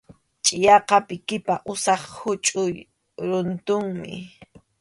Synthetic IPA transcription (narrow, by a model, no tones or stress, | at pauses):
t͡ʃʼɪjɑqɑpɪkɪpaʔʊsɑχhʊt͡ʃʼʊj | ɾʊnt̪ʊŋmɪ̰